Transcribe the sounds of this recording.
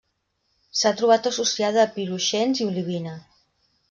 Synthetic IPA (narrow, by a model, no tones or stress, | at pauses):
sat̪ɾuβ̞at̪əsusiaðəːpiɾuʃenziuliβ̞inə